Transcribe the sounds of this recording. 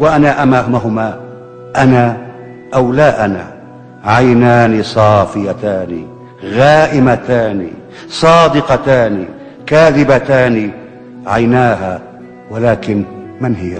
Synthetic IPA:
waʔanaʔamaːhʊmaɦʊma | ʔana | ʔawlaːʔana̰ | ʕajnaːnisˤɑːfɪjat̪aːni | ɣaːʔɪmat̪aːnḭ | sˤɑːd̪ɪqɑt̪aːni | kaːðɪbat̪aːni | ʕajnaːɦaː | walaːkɪnmɪnɦɪ

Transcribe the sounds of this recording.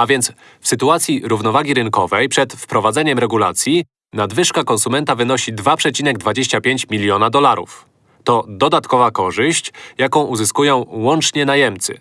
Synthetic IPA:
avʲjɛnt̪s | fsɘt̪uat̪sʲjiɾuvnɔvaɡʲiɾɘnkɔvɛjpʂɛt̪fpɾɔvad̪zɛɲɛmɾɛɡula̰t̪sʲji | nad̪vɘʂkakɔnsumɛnt̪avɘnɔɕid̪vapʂɛt͡ɕinɛɡd̪vad͡ʑeɕt͡ɕapʲjeɲt͡ɕmʲilʲjɔnad̪ɔlaɾṵf | t̪ɔd̪ɔd̪at̪kɔvakɔʐɘɕt͡ɕjakɔ̃w̃ʔuzɘskujɔ̃w̃wɔnt͡ʂɲɛnajɛmt̪sɘ̰

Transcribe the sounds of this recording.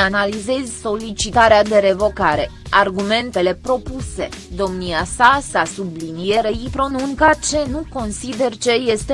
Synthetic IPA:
analize̞zʲso̞lit͡ʃit̪aɾead̪e̞ɾe̞vo̞kaɾe̞ | arɡume̞nt̪e̞le̞pɾo̞puse̞d̪o̞mniasasasublinije̞ɾeipɾo̞nuŋkat͡ʃe̞nuko̞nsid̪e̞rt͡ʃe̞je̞st̪e

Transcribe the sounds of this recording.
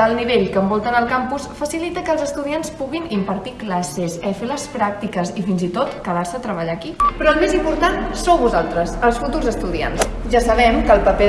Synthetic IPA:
əlˠniβ̞eʎkəmbɔlˠt̪ənəlˠkampusfəsilit̪əkəːlˠzəst̪uðianspuɣinimpəɾt̪iklasesəfeləspɾak̚t̪ikəzifinzit̪ot̪kəðarsət̪ɾəβəʎakipɾɔəlˠmezimpuɾt̪ansowβuzalˠt̪ɾəzəlˠsfut̪uɾzəst̪uðia̰nsʒasəβɛmkəlˠpəpe

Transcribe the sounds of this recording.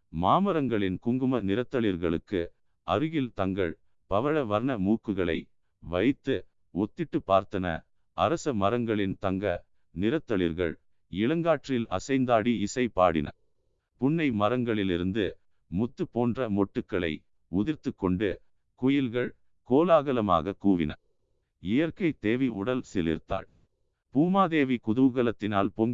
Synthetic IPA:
maːmɐɾɐŋɡɐɭɪnkʊŋɡɯmɐnɪɾɐt̪ːɐɭɪɾɣɐɭɯkːɯ̰ | ʔɐɾɯɣɪlt̪ɐŋɡɐ̰ɭ | pɐʋɐɻɐʋɐɾnɐmuːkːɯɣɐɭɐ̰ɪ | ʋɐɪt̪ːɯ | ɔt̪ːɪʈːɯpːaːɾt̪ɐnɐ̰ | ʔɐɾɐsɐmɐɾɐŋɡɐɭɪnt̪ɐŋɡɐ | nɪɾɐt̪ːɐɭɪ̰ɾɣɐ̰ɭ | ɪɭɐŋɡaːʈrɪlɐsɐɪnd̪aːɽiɪsɐɪpa̰ːɽɪ̰nɐ̰ | pʊɳːɐɪmɐɾɐŋɡɐɭɪlɪ̰ɾɯnd̪ɯ | mʊt̪ːɯpːoːndrɐmɔʈːɯkːɐɭɐ̰ɪ | ʊðɪɾt̪ɯkːɔɳɖɯ | kʊjɪlɣɐɭ | koːlaːɣɐlɐma̰ːɣɐkuːʋɪ̰nɐ̰ | ɪjɐɾkɐɪt̪eːʋiʊ̰ɽɐlsɪlɪ̰ɾt̪a̰ːɭ | puːmaːðeːʋikʊðɐʋɯɣɐlɐt̪ːɪnaːlpɔŋ

